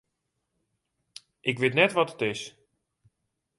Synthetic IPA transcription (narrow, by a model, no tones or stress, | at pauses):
ʔɪkʋɪtnɛtʋɔtətɪs